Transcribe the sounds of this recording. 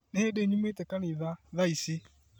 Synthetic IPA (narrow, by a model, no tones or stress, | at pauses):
needeɲumetekaniðaðaisɪ